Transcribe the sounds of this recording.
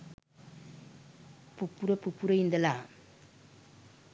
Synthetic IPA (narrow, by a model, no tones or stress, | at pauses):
pupːuɾɐpupːuɾɐind̪ɐla